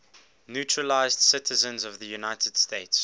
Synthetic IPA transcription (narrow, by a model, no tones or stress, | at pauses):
njutʰɹəlaɪzd̥sɪtʰəzə̃nzɔvðəjunaɪtʰəd̥steɪts